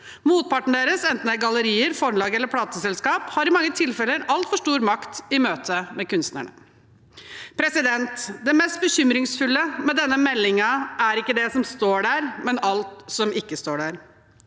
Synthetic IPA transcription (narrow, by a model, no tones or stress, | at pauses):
muːt̪̚pʰɑʈɳ̩d̪eːɾəsɛnt̪n̩əɡɑləɾiːəɾfɔɾlɑːɡɛlːəɾpʰɽɑːt̪əsɛlskɑːphɑɾɪmɑŋːət̪ʰɪlfɛlːəɾɑlt̪fɔʂʈuːɾmɑkt̪ɪmøːt̪ʰəmɛkʉnst̪næ̰ɳə̰ | pʰɾɛsɪd̪ɛnt̪d̪ɛmɛst̪̚bəçʏmɾɪŋsfʉlːəmɛd̪ɛnːəmɛlːɪŋɑæɾɪkːəd̪ɛsɔmst̪oːɖæːɾmɛnɑlt̪sɔmɪkːəst̪oːɖæːɾ